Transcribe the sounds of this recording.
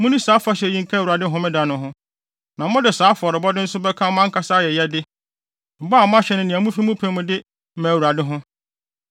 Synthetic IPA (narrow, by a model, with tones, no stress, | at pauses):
mʊ̃˦nĩ˦saː˦fa˦ɕɛ˨jĩ˦ŋ̩˨kʰa˦˨wu˨ɾa˨dɪ˦ɦʊ̃˦mɪ̃˦da˨nʊ̃˨ɦʊ̃˦ | nã˨mʊ̃˦dɪ˨saː˨˦fɔ˨ɾɪ˨bɔ˦dɪ̃˦n̩˦sʊ˦bɛ˦kʰã˦m˦ã˦ŋ̩˦kʰa˦saː˦jɛ˨jɛ˦dɪ˦ | m̩˨bɔ˦˨mʊ̃˦a˦ɕᶣɛ˨nʊ̃˨nɪ̃˨ã˨mũ˦fi˦mũ˦pʰæ̃˨˦mʊ̃˨dɪ˦ | mæ̃˨wu˨ɾa˨dɪ˦ɦʊ̃˦